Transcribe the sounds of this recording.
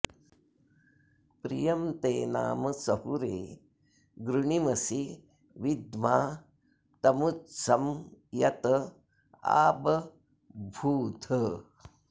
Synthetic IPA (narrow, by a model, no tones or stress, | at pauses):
pɾḭjɐmt̪eːna̰ːmɐsɐhuɾḛː | ɡɾuɳimɐsi | ʋid̪maː | t̪ɐmutsɐmjɐt̪ɐ | a̰ːbɐ | bʱuːt̪ʰə